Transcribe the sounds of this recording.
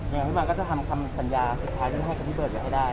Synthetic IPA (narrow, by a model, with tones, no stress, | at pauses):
ja˧ŋa˧a˧˦˩mː˧kɔː˥˩t͡ɕa˧˩t̪ʰa˧mkʰa˧msa˨˧˦njaː˧su˨˩t̪̚ʰːaː˦j̪i˧˥˩ha˥˩jka˨˩nʰi˥˩əː˨˩t̚pa˨˩ha˥˩daː˥˩j